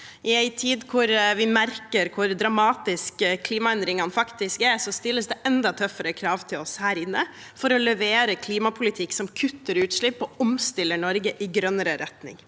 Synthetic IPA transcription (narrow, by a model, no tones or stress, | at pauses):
ʔɪæɪt̪ʰiːd̪kʰʊɾʋɪmæɾkəɾkʰʊɾd̪ɾɑmɑːt̪ɪskkʰliːmɑɛnd̪ɾɪŋhɑnfɑkt̪ɪskɛɾsɔst̪ɪlːəsd̪ɛʔɛnd̪ɑt̪ʰœfəɾəkʰɾɑːʋt̪ʰɪlɔshæːɾɪnːəfɔɾɔlɛʋeːɾəkʰliːmɑpʰʊlɪt̪ʰɪkːsɔmkʰʉt̪ːəɾʉːt̪ʂɭɪpːɔɔmst̪ɪlːəɳɔɾɡəʔɪɡɾœnəɾəɾɛt̪nɪ̰ŋ